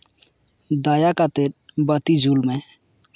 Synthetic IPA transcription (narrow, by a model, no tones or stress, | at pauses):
d̪aːjakat̪eɾbət̪id͡ʒʱuːlmẽ